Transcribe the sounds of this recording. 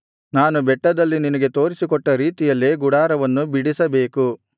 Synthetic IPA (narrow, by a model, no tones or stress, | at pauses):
naːnubɛʈːɐd̪ɐlːininɐɡe̞t̪o̞ːɾisikɔʈːɐɾiːt̪ijɐlːeɡuɽaːɾɐʋɐnːubiɽisɐbeːku